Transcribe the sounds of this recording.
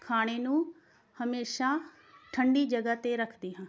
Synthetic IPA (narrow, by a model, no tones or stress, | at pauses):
kʰaːɽ̃eːnũː | həmeːʃaː | ʈʰəɳɖiːd͡ʒəɡaːt̪eːɾəkʰd̪iːɦãː